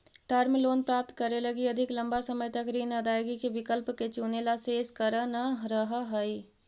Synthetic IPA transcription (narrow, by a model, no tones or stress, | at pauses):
ʈəɾmiloːnpɾaːp̚t̪kəɾeləɡiəd̪ʱikləmbasəməjt̪əkɾiːnəd̪ʱaːjɡikebɪkəlpket͡ʃunelaseːskəɾənəɾəɦəɦəj